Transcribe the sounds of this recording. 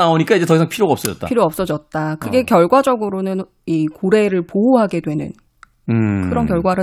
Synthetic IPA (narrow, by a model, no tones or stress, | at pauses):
aoɲik͈aid͡ʑe̞tʌisʰaŋpʰiɾjoɡaʌp̚s͈ʌd͡ʑʌtt͈a̰iɾjoʌps͈ʌd͡ʑʌt̚t͈akɯɡe̞kjʌɭɡwad͡ʑʌɡɯɾonɯn | ikoɾe̞ɾɯɭpouɦaɡe̞dwe̞nɯ̰n | kɯɾʌnkjʌɭɡwaɾɯ